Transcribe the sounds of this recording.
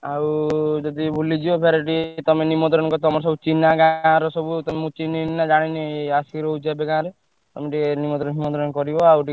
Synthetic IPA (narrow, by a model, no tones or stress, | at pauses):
awd͡ʒɔd̪ibʱulid͡ʒibɔpʰeɾeʈ̬it̪ɔmenimɔnt̪ɾɔñkɔt̪ɔmɔɾs̬ɔbut͡ʃinakãːɾɔsɔbut̪ɔmemũt͡ʃiniːad͡ʒaɽ̃ineaskiɾɔud͡ʒabekãːɾe | t̪ɔmeʈinimɔt̪ɾɔnɦimɔ̃nt̪ɾɔnkɔɾibɔawʈi